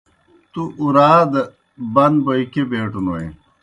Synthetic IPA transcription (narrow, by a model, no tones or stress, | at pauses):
t̪uʔuɾaːd̪ | bɐnbojkebeːʈunoḭ